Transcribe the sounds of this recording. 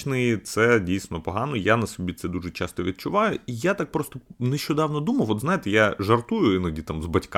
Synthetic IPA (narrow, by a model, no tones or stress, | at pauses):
nɪjit̪sɛdʲijsnɔpɔɦɑnɔjanɐsɔbʲit̪sɛd̪uʒɛt͡ʃɑst̪ɔʋʲid̪̚t͡ʃʊʋɑjʊijat̪ak̚pɾɔst̪ɔneʃʲt͡ʃɔd̪ɑwnɔd̪umɐjɔt̪znajɪt̪ɪjaʒɐrt̪ujʊɪnɐdʲit̪amzbɐtʲk